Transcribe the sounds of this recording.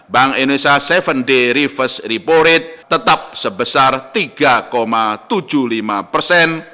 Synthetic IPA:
baŋenesasɛfənɖeɾifəsɾipoɾɪt̪̚ːət̪ap̚səbəsart̪iɡ̥akomat̪u̥d͡ʒ̥ulimapərsɛn

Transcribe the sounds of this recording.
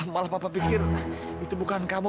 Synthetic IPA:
malahpapapikɪr | it̪ubukankamu

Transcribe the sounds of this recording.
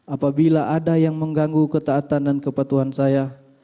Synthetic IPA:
apabilaʔadajaŋməŋɡaŋɡukət̪aːt̪andankəpat̪uɦansaja

